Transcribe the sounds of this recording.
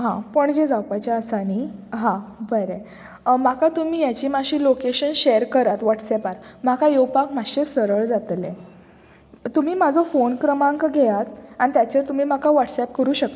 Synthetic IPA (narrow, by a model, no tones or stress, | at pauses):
ɦãpəɳd͡ʑed͡zawpat͡ɕaəsaɽ̃iɦãbəɾe | makat̪umiːjat͡ɕiːmaɕiːlokeɕənɕeəɾkəɾat̪ʋaʈsɛpaɾmakajewpakmaɕesəɾəɭd͡zat̪lẽ | t̪umiːmad͡zʱɔfonkɾəmãŋkɡʱɛjat̪aɽ̃it̪jat͡ɕəɾt̪um̤iːmakaʋaʈsɛp̚kəɾuːɕək̚t̪